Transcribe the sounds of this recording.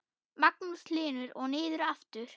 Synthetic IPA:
maknusʰlɪːnʏɾɔɣnɪːðʏɾaft̪ʏɾ̥

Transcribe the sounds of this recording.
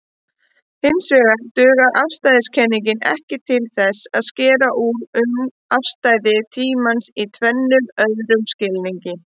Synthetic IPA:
hɪnsvɛːɣat̪ʏːɣaðʔafst̪ajðɪscʰɛnːiɲcɪnɛ̰hcɪt̪ʰɪlθɛsaðscɛːɾaʔuɾʏm | afst̪aːjðɪt̪ʰiːmansit̪ʰvɛnːʏmœðɾʏmscɪlniɲcɪ

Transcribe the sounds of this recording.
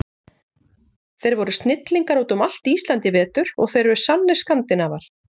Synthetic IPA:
θejɾvɔɾʏst̪nɪt̪liŋkaɾoːt̪ʏmal̥t̪iːst̪lant̪ɪvɛːt̪ʏɾ̥ɔ̰ɣθejɾvʏɾʏ̥sanːɪ̥skant̪ɪnavaɾ̥

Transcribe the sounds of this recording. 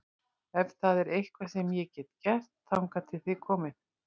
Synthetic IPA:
ɛvθaðɛɾejhkvasɛmjɛcɛːt̪cɛr̥t̪θawŋkat̪ʰɪlθɪkʰɔːmɪð

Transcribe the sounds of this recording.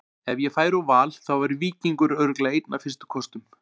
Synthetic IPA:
ɛvjɛfaːjɾawvaːlθawvaɾʏviːciŋkʏɾœɾklaejt̪nafɪ̥st̪ʏ̥kʰɔst̪ʏm

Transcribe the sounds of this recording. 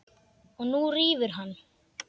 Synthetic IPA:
ɔɣnuriːvʏɾ̥ɦanː

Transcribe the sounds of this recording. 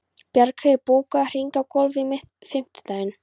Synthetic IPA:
pjaɾkʰœɪpuːkar̥iŋkakɔlvɪmɪht̪ | fɪm̥t̪t̪ajɪn

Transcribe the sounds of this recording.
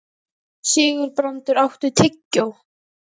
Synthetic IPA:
sɪːɣʏɾpɾɔnt̪ʏɾawht̪ʏt̪ʰɪcːow

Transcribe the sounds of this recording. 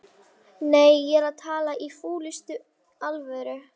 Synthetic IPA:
neːjːɛɾaðt̪ʰaːlaʔifuːlʏst̪ʏ | alvœɾʏ

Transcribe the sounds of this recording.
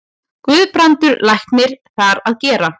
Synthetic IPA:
kvʏːðpɾant̪ʏɾlajhknɪɾ̥θaɾaðcɛːɾa

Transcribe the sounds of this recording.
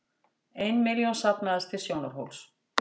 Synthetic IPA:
ejnmɪljɔnsat̪nmɛðast̪ɪsjoːwnaɾ̥ɦo̰wls

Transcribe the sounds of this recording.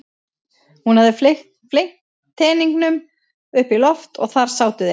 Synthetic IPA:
hunhavðɪflext̪ | flejht̪ʰː | ɛːniŋknʏm | ʏhpilɔft̪ɔ̰ɣθaɾ̥saːwt̪ʏðɪ

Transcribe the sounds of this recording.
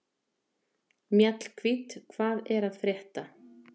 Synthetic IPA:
mjɛt̪l̥kʰvit̪kʰvaːðɛɾaðfɾjɛht̪a

